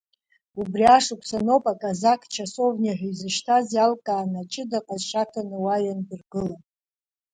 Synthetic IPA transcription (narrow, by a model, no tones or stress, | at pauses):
ubriaʂukʷʰsanopʼakʼazakʰʼt͡ʃʰasovniaħʷᶣuzɨʃtʰazjalkʼaːnat͡ʃʼɪdaqʼazʂatʰanɨwaɥandɨrɡɨla